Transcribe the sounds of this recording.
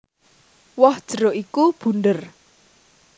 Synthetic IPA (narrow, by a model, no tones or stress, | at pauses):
wɔhd̥ʒ̥ə̤ɾoʔikub̥ṳndər